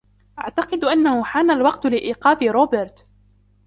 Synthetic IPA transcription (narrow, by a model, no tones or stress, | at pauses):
ʔaʕt̪ɑqɨd̪ʔanːahʊħaːnalwɑqt̪lɪʔiːqɑːfɪɾoːbɪɾt̪